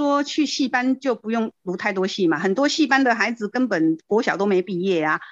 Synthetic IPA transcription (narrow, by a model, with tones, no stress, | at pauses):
wɔ˥t͡ɕʰy˥˧ɕi˥˩pa˦˥nt͡ɕjo˥˩ʊpu˧˥jʊ˥˩ŋlu˧˥t̪ʰa˥˩ɪt̪̬wɔ˥ɕi˥˩ma˨˩hə˨˩nt̪̬wɔ˥ɕi˥˨pa˥nd̪ə˨xa˧˥ɪd͡zɹ̩˨kə˦˥npə˨˩nkwɔ˧˥ɕjɑ˨˩ʊt̪o˥ʊme˧˥ɪpi˥˧jɛ˥˩a˩